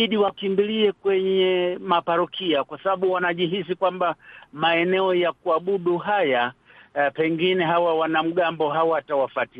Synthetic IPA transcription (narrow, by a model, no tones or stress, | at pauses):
iɗiwakimbiliɛkwɛɲɛmapaɾɔkʰiakwasaɓaɓuwanaʄiɦis̬ikwambamaɛnɛɔjak̚uaɓuɗuɦaja | pɛŋɡinɛɦawawanam̩ɠambɔɦawaatawafati